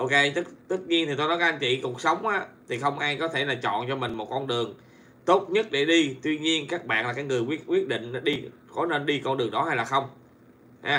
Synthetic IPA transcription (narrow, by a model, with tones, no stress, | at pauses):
ʔo˧ke˧t̪ɨ˦˥t̪ɨ˦˥t̚ɲi˧ənt̪i˨˩t̪o˧jnɔ˨˦ka˧˩ʔa˧ŋ̟t͡ɕḭ˧˨ku˨˩k̚sə˨˦wŋ͡mʔaː˨˦t̪ʰi˨˩xə˧wŋ͡mʔaː˧jkɔ˨˦t̪ʰe˧˩laː˨˩t͡ɕɔ̰˧˨nt͡ɕɔ˧mï˨˩ŋ̟mo˨˩t̚kɔ˧nɗɨ˨˩əŋ | t̪o˦˥t̚ɲə˦˥t̚ɗe˧˩ɗi˧t̪wi˧ɲi˧ənkaː˦˥k̚ɓa̰ː˧˨nlaː˨˩kaː˨˦jŋɨ˨˩əjkwi˦˥ət̚kwi˦˥ət̚ɗḭ̈˧˨ŋ̟˨˦ɗi˧ | kɔ˨˦ne˧nɗi˧kɔ˧nɗɨ˨˩əŋɗɔ˨˦ha˧jlaː˨˩xə˧wŋ͡m | haː˧˦